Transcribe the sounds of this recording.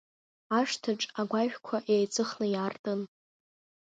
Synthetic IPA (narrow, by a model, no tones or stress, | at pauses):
aʂtʰɨʈ͡ʂʼaɡʷaʃᶣkʷʰaʔejt͡sʼɨχnɨjartʼɨn